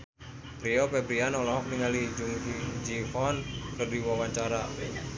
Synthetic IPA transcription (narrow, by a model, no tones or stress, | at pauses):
pɾiɔpɛbɾianɔlɔɦɔk̚niŋalid͡ʒuŋd͡ʒihɔnkərdiwawaɲt͡ʃaɾa